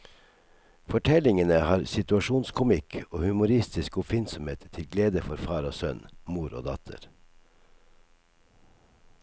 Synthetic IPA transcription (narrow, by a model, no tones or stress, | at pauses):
fɔʈʰɛlɪŋənəhɑːɾsɪt̪ʉɑʃuːnskʰʊmɪkʰoːhʉmʊɾɪst̪ɪskʊpfɪnsɔmeːt̪ʰːɪlɡleːd̪əfɔɾfɑːɾoːsœnmuːɾo̰ːd̪ɑ̰t̪ʰə̰ɾ